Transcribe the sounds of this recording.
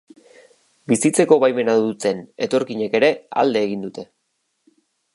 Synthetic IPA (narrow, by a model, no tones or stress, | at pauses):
bisit͡se̞ko̞βajme̞naðut̪e̞ne̞t̪o̞ɾkiɲe̞ke̞ɾe̞a̰ld̪e̞ːɣind̪ut̪e̞